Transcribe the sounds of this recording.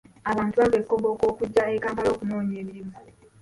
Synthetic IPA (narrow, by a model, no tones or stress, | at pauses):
aβaːntuβaɡekːobo̞ko̞ːkuɟːaekaːmpalo̞ːkuno̞ːɲe̞ːmiɾimu